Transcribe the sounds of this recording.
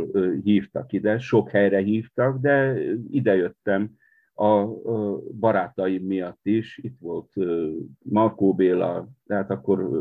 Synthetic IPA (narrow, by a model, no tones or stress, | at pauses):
ɦiːft̪ɒkid̪ɛʃo̞khɛjrɛɦiːft̪ɒɡd̪ɛid̪ɛjøt̪ːɛm | ɒ | bɒɾaːt̪ɒjimːijɒt̪ːiʃit̪ʋo̞lt̪ømɒrkoːbeːlɒt̪ɛɦaːt̪ɒkːo̞r